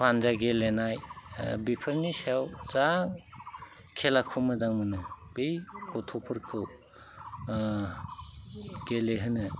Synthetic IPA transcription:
pʰand͡ʒaɡelenajbipʰɯɾniseawt͡ʃaŋ | kʰelakʰumɯdaŋmɯnɯbejkɔtʰɔpʰɯɾkʰɯw | ɡ̥eleɦɯnɯ

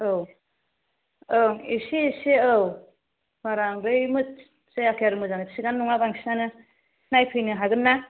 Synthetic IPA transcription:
ɯw | ɯŋisiseaw | maɾaŋdɯjmɯ | seakʰjaɾɯmɯzanɯsiɡanːuŋabaŋsinanɯ | najpʰɯjnɯɦaɡɯnːa

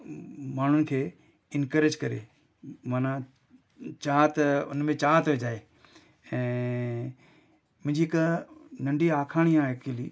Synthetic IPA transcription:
maːn̤ʊnɪ̆kʰeː | ɪnkəɾɪd͡ʒkɐɾḛː | maːnã | t͡ʃaːt̪ʊnmẽt͡ɕaːt̪ɦoed͡ʒaːe | ɛ̃ː | mʊ̃ɦɪ̃d͡ʑiɪknɐ̃ɳɖiaːkʰaːɽ̃ijãːɪkiliː

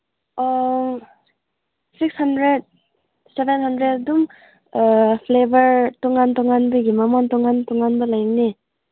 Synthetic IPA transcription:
sik̚shandɾed̚ | sebenhandɾeddum | pʰlebɐɾtɔŋantɔŋanbɯɡimamɔntɔŋantɔŋanbɐlajni

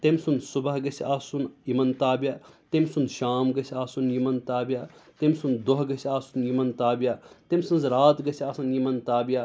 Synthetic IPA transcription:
t̪emʲsunsubɐɦɡɐsʲiaːsunimɐnt̪aːbjaːt̪emʲsunʃaːmɡɐsʲiaːsunjimɐnt̪aːbjaːt̪emʲsund̪oɦɡɐsiaːsunjimɐnt̪aːbjaːt̪emʲsunzɾaːt̪ɡɐsʲaːsɐnjimɐnt̪aːbijaː

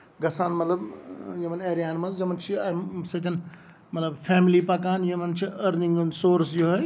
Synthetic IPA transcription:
ɡɐsaːnmɐt̪lɐbjemɐneːɾijaːnmɐnzd͡ʒɐmɐnt͡ʃʰiasɐt̪ʲʰɐn | mɐt̪ləbpʰeːmilipɐkaːnjemɐnt͡ʃʰiəɾniŋɡənsoːɾsjoɦɐj

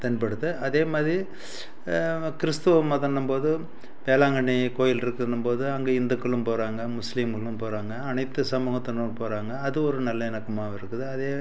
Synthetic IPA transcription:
t̪ɐnpɐɽɯt̪ːɯʔɐðeːmaːðɾi | kɪɾɪst̪ɐʋɐmaːt̪ɐɳɖɯmpoːðɯ | ʋeːlaːŋɡɐɳikoːjɪlɪɾɯkːɯnɯmpoːðɯɐŋɡeːɪnd̪ɐkːɐɭɯmpoːɾaːŋɡɐmʊsliːmkɐɭɯmpoːɾaːŋɡɐːɳɐɪt̪ːɯsɐmɐːɣɐt̪ːɐɳɯmpoːɾaːŋɡɐːðɯɔɾɯnɐlːɐɛnɐkːɐmaːʋɪɾɯkːɯðɯɐðeː

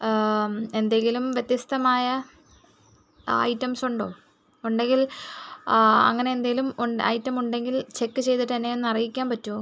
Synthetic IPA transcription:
e̞nd̪eŋɡilumʋjet̪jɐst̪ɐmaːjɐ | ɐ̰jtːɐmsuɳɖo̞ː | uɳɖe̞ŋɡil | ɐ̰ŋːɐne̞ːnd̪eɡilumuɳɐ̰jtːɐmuɳɖe̞ŋɡilt͡ɕe̞kːɨt͡ɕe̞jt̪iʈːt̪ɐnːejunːɐrijikʲːaːnpɐtːu

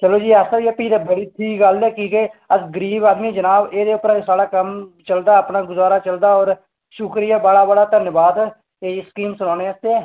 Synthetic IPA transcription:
t͡ʃəloːd͡ʒiːɛːsəiɛːpiːd̪aːbəɽiːʈʰiːkɡəlɛːkiːkeːəd͡ʒɡəɾiːbaːd̪miːd͡ʒənaːbeːd̪eːʊpɾãsaːɽaːkəmt͡ʃəld̪aːəpnaːɡʊzaːɾaːt͡ʃəld̪aːɔːɾ | ʃʊkɾɪjaːbəɽaːbəɽaːt̪ənjəʋaːd̪ | eːskiːmsʊnãːneːəst̪eːɛː

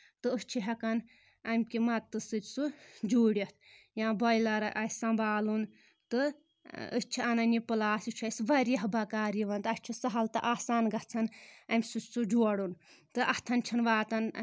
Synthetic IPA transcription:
t̪ɨɨst͡ʃʰiɦɐkɐn | ɐmʲkimɐt̪ːɨsɨtʲsud͡ʒuːɽʲɐt̪̚ʰ | jãːbɔjlɐɾɨʔɐjʲsɐmbaːlun | t̪ɨ | ə̰st͡ʃʰiɐnɐnipɨlaːsit͡ʃʰɐsʋɐɾjɐɦbɐkaːɾiʋɐnt̪ɐsʲt͡ʃʰisɐɦɐlt̪ɨʔaːsaːnɡɐt͡sʰɐnɐmʲsut͡ʃʲsud͡ʒuɔɽun | t̪ɨʔɐht̪ʰɐnt͡ʃʰɐnʋaːt̪ɐn

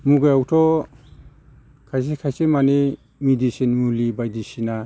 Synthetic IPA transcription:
muɡajawtʰɔ | kʰajs̬ekʰajsemane | midisinmulibajdisina

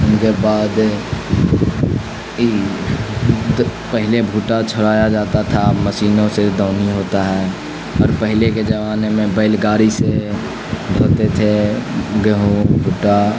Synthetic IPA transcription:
ʊnkebaːd̪ | pəɦɪlebʱuːʈat͡ʃʰʊɾaːjad͡ʒaːt̪at̪ʰaməʃiːnõsed̪ʱoːniɦoːt̪aɦɛː | ɔːɾpəɦleked͡ʒəʋaːnemẽbəɪlɡaːɾise | d̪ʱoːt̪et̪ʰeɡeɦõbʱuːʈa

